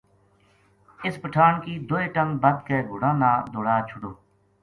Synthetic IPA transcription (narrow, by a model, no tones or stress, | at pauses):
ɪspəʈʰaːnkiːd̪oːeːʈəŋɡbəd̪keːɡʱʊɽãːnaːd̪oːɽaːt͡ʃʰʊɽoː